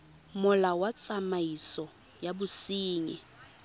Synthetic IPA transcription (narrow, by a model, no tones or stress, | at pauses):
mʊlawat͡sʼamaisɔ | jabʊsiːŋɛ